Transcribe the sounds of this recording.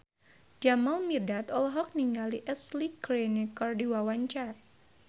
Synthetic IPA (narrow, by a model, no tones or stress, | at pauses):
d͡ʒamalmirdat̪ɔlɦɔk̚niŋɡaliʔɛslikɾenekɔrdiwawaɲt͡ʃar